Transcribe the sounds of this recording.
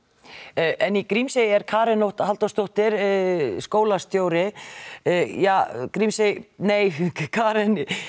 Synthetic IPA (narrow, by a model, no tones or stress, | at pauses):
ʔɛnikɾimsejɛɾkʰaːɾɪnowht̪halt̪awst̪owht̪ɪɾskoːwlast̪joːwɾɪ | jaːkɾimsejneːjkʰaːɾɪn